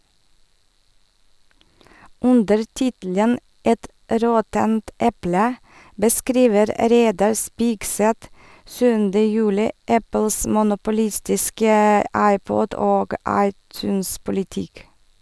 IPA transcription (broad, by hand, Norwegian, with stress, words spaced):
ˈʉndəɾ ˈtɪtl̩ən ˈɛt ˈɾɔtənt ˈɛplə bəˈskɾiːʋəɾ ˈɾeɪdɑɾ ˈspɪɡsɛt ˈsʉːndə ˈjʉːlɪ ˈæpl̩s mʊnʊpʊˈlɪstɪskə ˈɑɪˌpɔd ˈoːɡ ˈɑɪˌtʉːnspʊlɪˌtɪk